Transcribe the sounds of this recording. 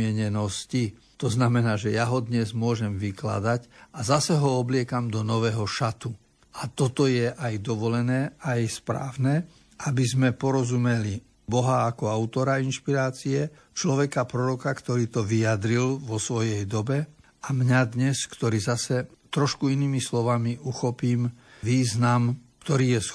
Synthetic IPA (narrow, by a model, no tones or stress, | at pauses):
ɪɛɲɛnɔsci | t̪ɔznamɛnaːʒɛjaɦɔd̪ɲɛzmʊɔʒɛmʋikla̰d̪acazasɛɦɔɔblɪɛkamd̪ɔnɔʋɛːɦɔʃat̪u | at̪ɔt̪ɔjɛʔajd̪ɔʋɔlɛnɛːajspɾa̰ːʋnɛ | abizmɛpɔɾɔzumɛli | bɔɦaːkɔaʊt̪ɔɾainʃpiɾaːt͡siɛ | t͡ʃlɔʋɛkapɾɔɾɔkakt̪ɔɾiːt̪ɔʋijad̪ɾilʋɔsʋɔjɛjd̪ɔbɛ | amɲad̪ɲɛskt̪ɔɾiːzasɛ | t̪ɾɔʃkuiniːmislɔʋamiʔuxɔpiːmʋiːznamkt̪ɔɾiːjɛs